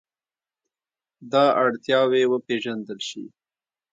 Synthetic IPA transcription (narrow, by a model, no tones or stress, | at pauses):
d̪ɑaɽt̪jɑwewəpeʒand̪əlʃḭ